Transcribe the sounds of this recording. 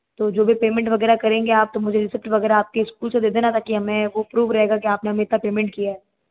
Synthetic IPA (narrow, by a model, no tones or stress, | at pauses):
t̪oːd͡ʒoːbʱipeːmɛ̃ɳʈʋɐɡɛːɾakɐɾẽːŋɡeaːp̚t̪omʊd͡ʒʱeɾɪsɪp̚ʈʋɐɣɛːɾaaːp̚keɪskuːlsed̪eːd̪enat̪ʰakiɦɐmẽʋoɐpɾuːʋɾɐɦeːɡakiaːpneɦɐmeːt̪apeːmɛ̃ɳʈ̚kijaɦɛː